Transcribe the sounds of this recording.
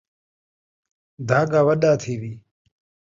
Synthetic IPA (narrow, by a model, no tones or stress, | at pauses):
d̪ʱaːɡaːwɐɗaːt̪ʰeːwiː